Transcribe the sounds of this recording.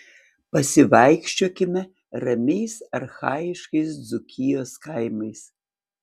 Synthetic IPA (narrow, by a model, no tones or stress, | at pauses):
pɐsʲɪʋɐɪkʃʲt͡ʃʲoːkʲɪmʲɛ | ɾɐmʲeɪsɐrxaːjɪʃkɐɪsd͡zʊkʲʰɪjoːskajmɐɪs